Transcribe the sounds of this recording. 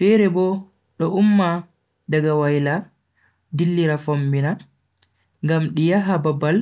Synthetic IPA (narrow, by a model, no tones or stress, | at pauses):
fɛɾɛbɔ | ɗɔʔumːa | daɡawajla | dilːiɾafombina | ŋɡamɗijaɦababːal